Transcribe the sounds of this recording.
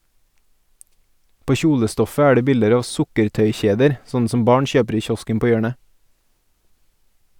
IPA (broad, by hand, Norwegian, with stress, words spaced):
ˈpoː ˈçuːləˌstɔfə ˈæː ˈɖeː ˈbɪldəɾ ˈɑː ˈʋsʊkəɾˌtœʏˌçeːdəɾ ˈsɔnn̩ ˈsɔm ˈbɑːɳ ˈçøːpɾ ˈiː ˈçɔskəm ˈpoː ˈjøːɳə